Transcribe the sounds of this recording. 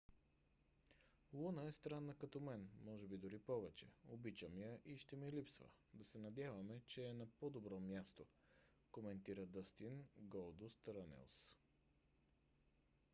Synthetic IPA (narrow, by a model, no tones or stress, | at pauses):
lˠunəɛst̪ɾanːəkɐt̪ɔmɛnmɔʒɛbid̪ʊɾipɔvɛt͡ʃɛobit͡ʃəmijəʔiʃt̪ɛmilipsvə̰ | d̪ɐsɛnɐd̪ʲjavɐmɛt͡ʃɛːnɐpod̪obɾɔmjast̪o | komɛnt̪iɾəd̪əst̪inɡɔlˠd̪ʊst̪ɾanɛ̰lˠs